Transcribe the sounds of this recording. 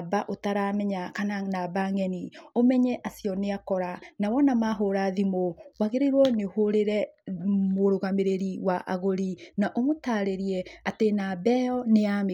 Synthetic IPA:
baʔotaɾamɛɲakananabaŋɛniomɛɲɛʔasiɔneakɔɾanawɔnamaɦoɾaðimowaɣeɾeɾwɔnehoɾeɾɛmoɾoɣameɾeɾiwaʔa̰ɣoɾinaʔomotaːɾeɾiɛatenabɛjɔneam

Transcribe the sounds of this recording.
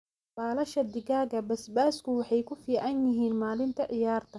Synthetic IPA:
b̥aːlɐʃɐd̪ɪɣaːɣɐbɐsbaːskʰʊwɑħɑjkʰʊfiːʕɑnjɪɦiːnmaːlɪnt̪ʰɐʕɪjaːrt̪ʰɐ

